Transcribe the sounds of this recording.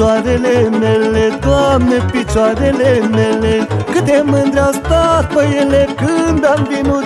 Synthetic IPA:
aɾelenelet̪uamnepit͡ʃwaɾelenelekɨt̪emənd̪ɾʲawst̪at̪̚pəjelekɨnd̪ambinu

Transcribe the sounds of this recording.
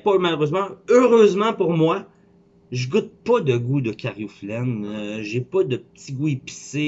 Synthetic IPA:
pɔmaløʁøzmɑ̃øʁøːzmɑ̃puʁmwa | ʒəɡut̪̚pɐd̪əɡud̪əkʰʲaʁjuflɛnʒepʌd̪əpət͡siɡuepi̥se

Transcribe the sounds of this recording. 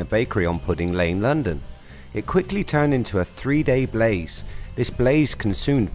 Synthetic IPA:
əbeɪkəɹiə̃npʰʊɾɪ̃ŋlẽɪ̃nlʌ̃ndɨ̃n | ɨt̚kʰw̥ɪklitʰɜ̃˞nɪ̃ntʰuəθɹideɪbleɪz̥ðɪsb̥leɪz̥kʰn̩sʉ̃md

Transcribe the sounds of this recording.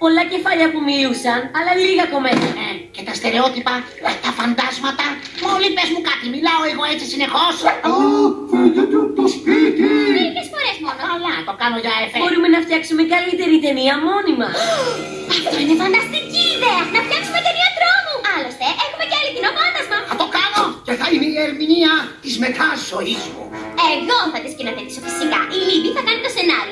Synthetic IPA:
po̞lɐce̞fɐʎɐpumiusɐnɐlɐliɣɐko̞met̪ɐece̞t̪ɐst̪e̞ɾe̞o̞t̪ipɐ | met̪ɐfɐnd̪ɐzmɐt̪ɐ | molipezmukɐt̪imilɐo̞eɣoet͡sisine̞xo̞s | fitet̪et̪ospit̪iikesfo̞ɾezmonlɐt̪o̞kɐnoʝɐefebo̞ɾume̞nɐft̪çɐksumekɐlit̪e̞ɾit̪e̞niɐmo̞nimɐ | ɐft̪oineðonɐst̪iciːðeɐnɐft̪çɐksumecemiɐt̪ɾomuɐlost̪eʔexume̞ceɐlicinopɐnd̪ɐzmɐɐt̪okɐnoceθɐineieɾminiɐt̪izme̞t̪ɐzoizmo | eɣoθɐt̪iscinoθefisofi̥sikɐʔiliviθɐkɐnit̪o̞se̞nɐɾio

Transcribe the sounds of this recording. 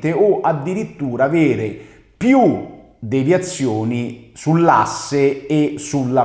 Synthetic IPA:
t̪eɔʔad̪ːiɾit̪ːuːɾaːveːɾɪ | pju | d̪evjat̪sːjɔːnisulːasːɪesulːa

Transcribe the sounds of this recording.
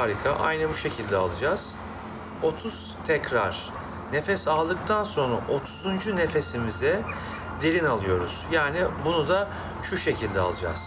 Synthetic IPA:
haːɾikʰaʔa̰jnɯbuʃe̞cʰilʲd̪ɛalˠɯd͡ʒaz̥ | o̞t̪ʰuz̥t̪ʰɛcɾaɾ̥ | ne̞fɛsalˠd̪ɯk̚t̪ʰanso̞nɾa̰ʔo̞t̪ʰuzund͡ʒune̞fe̞simizɛ | d̪eɾʲinalˠɯjo̞ɾuz̥jaːnibunud̪a | ʃuʃe̞cʰilʲd̪ɛa̰lˠɯd͡ʒa̰z̥

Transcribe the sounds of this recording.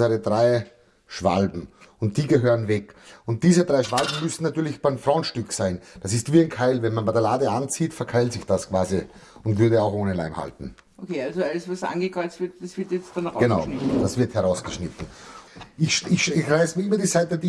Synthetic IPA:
əʁədʁaɪ | ʃv̥a̰lbm̩ | ʊnt̚d̥iːɡəɦøːʁənvɛkʊnt̚d̥iːzədʁaɪʃv̥albm̩mʏsn̩natyːɐlɪçb̥aɪmfʁɔ̃ʊntʃtʏksaɪnd̥asɪstv̥iːæɪnkʰaɪlvɛnmanbadɐlaːdəʔant͡siːtfɛɐkʰaɪltsɪçd̥askʰv̥aːzi | ʊ̃ntvʏɐdɾəaʊxʔoːnəla̰ɪmha̰ltn̩ | ʔokʰeːalzoaləsvasʔa̰nɡəkʁ̥ɔɪt͡stv̥ɪɐtd̥asv̥ɪɐtjɛt͡stanʁaɡənaʊɪd̥asvɪɐthɛɐʁaʊsɡ̥əʃnɪtn̩ | ɪçɪçɪçʁaɪsmiɐyːbɐdiːsaɪtədi

